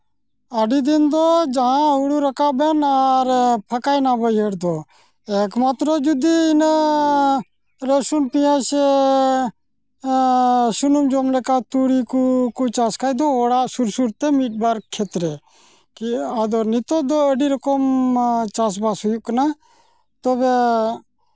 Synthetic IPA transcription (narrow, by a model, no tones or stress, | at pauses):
əɖid̪ɪnd̪oːd͡ʒaɦãɦuɽuɾəkaːbenaɾpʰəkaːjnaːbəjɦeːɽd̪oː | eːkmaːt̪ɾod͡ʒud̪iɪnə | ɾəsunpijãːse | ʃʊnumd͡ʒoːmlekaːt̪uːɽiːkukut͡ʃaːskʰaːid̪oːoːɽaːsuɾsuɾt̪eːmiːʈ̚baːɾkkʰːeːt̪ɾe | kiəd̪oːnit̪oːd̪oːəɖiːɾəkomt͡ʃaːs̬baːsojuknaː | t̪oːbeː